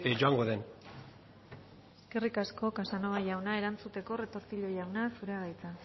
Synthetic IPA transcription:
d͡ʒoaŋɡoðen | eske̞rikasko̞kasano̞βaʝawnae̞ɾant͡sut̪e̞ko̞re̞t̪o̞ɾt̪iʎo̞jawnasuɾeaɣajt͡sa

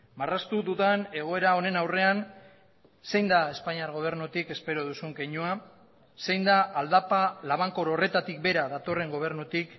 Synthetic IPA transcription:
marast̪uðuðane̞ɣ̞o̞e̞ɾao̞ne̞nawre̞an | se̞jnd̪ae̞spaɲiaɾɣ̞o̞β̞e̞ɾnut̪ike̞spe̞ɾo̞ð̞usuŋkejɲua | se̞jnd̪aʔald̪apalaβaŋko̞ɾore̞t̪at̪ik̚be̞ɾaðat̪o̞re̞ŋɡo̞β̞e̞ɾnut̪ik

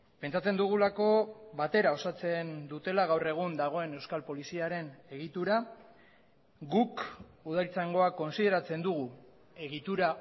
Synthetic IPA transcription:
pe̞nt͡sat͡se̞nd̪uɣ̞ulako̞βat̪e̞ɾao̞sat͡se̞nd̪ut̪e̞laɣ̞awre̞ɣ̞und̪aɣ̞o̞e̞ne̞wskalpo̞lisiaɾe̞ne̞ɣ̞it̪uɾa | ɡukuð̞aɾit͡saŋɡo̞ako̞nsiðe̞ɾat͡se̞nd̪uɣu | e̞ɣit̪uɾa

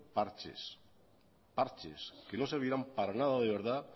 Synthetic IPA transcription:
paɾt͡ʃḛs | paɾt͡ʃḛske̞no̞seɾβiɾampaɾanaðað̞eβ̞e̞ɾða

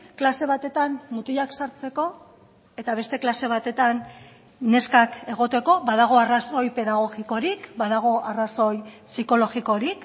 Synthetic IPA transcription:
klase̞β̞at̪e̞t̪ammut̪iʎaksaɾt͡se̞ko̞ | e̞t̪aβ̞e̞st̪e̞klase̞β̞at̪e̞t̪anː | e̞skake̞ɣ̞o̞t̪e̞ko̞βaðaɣ̞o̞araso̞jpe̞ðaɣ̞o̞ɣiko̞ɾikbaðaɣ̞o̞ʔaraso̞j | siko̞lo̞ɣiko̞ɾik

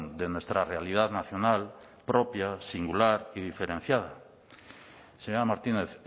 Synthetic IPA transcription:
nd̪enwe̞st̪ɾarealiðaðnaθjo̞nal | pɾopjasiŋɡulaɾið̞ifeɾen̟θjað̞a | seɲoɾamaɾt̪ineθ

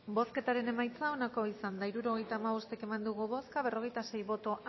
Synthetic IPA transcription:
boske̞t̪aɾe̞ne̞majt͡sao̞nako̞isand̪aiɾuɾo̞ɣe̞jt̪aːmaβost̪ekemand̪uɣuβo̞skaβ̞e̞ro̞ɣ̞e̞jt̪ase̞jβo̞t̪o̞ʔ

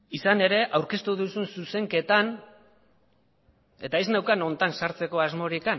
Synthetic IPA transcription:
isane̞ɾe̞ʔawɾke̞st̪uðusunsuse̞ŋke̞t̪an | e̞̰t̪aeznawkano̞nt̪ansaɾt͡se̞ko̞azmo̞ɾikan

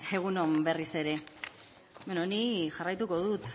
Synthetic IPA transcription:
e̞ɣ̞uno̞mbe̞rise̞ɾe̞ | benoniʝarajt̪uko̞ðut̪

